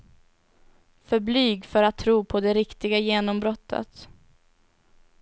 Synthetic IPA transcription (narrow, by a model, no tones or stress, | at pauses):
fœɾblyːɡfœɾat̪ʰːɾuːpʰɔd̪ɛɾɪkt̪ɪɡajeːnɔmbɾɔt̪ʰːə̰t̪